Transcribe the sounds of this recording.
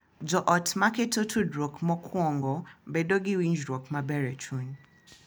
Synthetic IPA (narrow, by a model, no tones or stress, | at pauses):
d͡ʒɔʔɔtʰmaketotʰudɾɔkmɔkʰwɔŋɡɔbɛdoɡɪwiɲd͡ʒɾɔkmabɛɾɛt͡ʃʰun